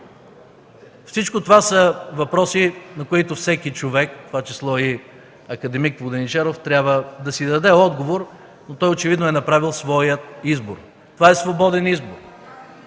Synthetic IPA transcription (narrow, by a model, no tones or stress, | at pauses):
fsit͡ʃkot̪ovasəvɐpɾɔsinɐkoit̪ofsɛkit͡ʃovɛkt̪ovat͡ʃɛslˠɔi | ɐkɐd̪ɛmikvˠʊd̪ɛnit͡ʃɛɾoft̪ɾʲabvəd̪ɐsid̪ɐd̪ɛɔd̪ɡovoɾ | not̪ɔjot͡ʃɛvid̪noɛnɐpɾavilˠsvɔjət̪izbo̰ɾ | t̪ovaɛsvobɔd̪ɛnizboɾ